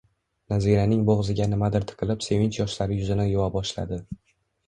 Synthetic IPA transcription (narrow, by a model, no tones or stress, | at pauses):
naziɾanɪŋboʁzɪɡʲanɪmad̪ɪɾt̪ʰɨ̥qʰɨlˠɪpse̞vɪnt͡ʃjɒʃlaɾɪjʊzɪnajowabɒʃla̰d̪ɪ